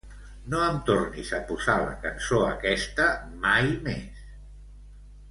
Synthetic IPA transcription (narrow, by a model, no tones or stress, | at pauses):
noəmt̪ornizəpuzalə̰kənsoəkɛst̪əmajmes